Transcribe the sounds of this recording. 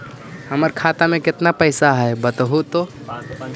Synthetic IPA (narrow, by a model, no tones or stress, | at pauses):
həməɾkʰat̪amẽkɪt̪napəɪsaɦəjbət̪ɦut̪o